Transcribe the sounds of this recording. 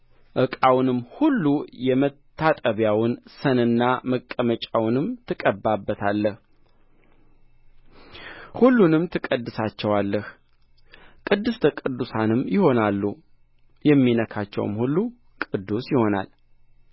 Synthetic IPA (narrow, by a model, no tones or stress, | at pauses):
ʔɨkʼawnɨmːhulːujɛmət̪ʰːat̪ʼəβjawʊnsənɨnːaməkʼːəmət͡ʃʼawnɨmt̪ʰɨkʼəbabːət̪ʰalːəh | hulːunɨmt̪ʰɨkʼəd̪ːɨsat͡ʃːɛwalːəh | kʼɨd̪ːɨst̪ʰəkʼɨd̪ːusanɨmjɪho̞nalːu | jɛmːinəkʰat͡ʃːɛ̰w̰mhulːu | kʼɨd̪ːusjɪho̞na̰l